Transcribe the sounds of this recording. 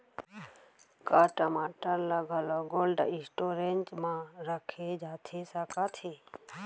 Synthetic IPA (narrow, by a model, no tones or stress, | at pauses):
kaːʈamãːʈənlaɡʱaːloːɡoːlɖa̰ɪ̃sʈoːɾent͡ʃmãːɾəkʰeːd͡ʒaːt̪ʰeːsakaːt̪ʰeː